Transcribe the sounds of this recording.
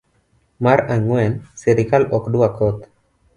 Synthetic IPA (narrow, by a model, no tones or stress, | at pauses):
maɾaŋwɛnseɾikalɔkduakɔt̪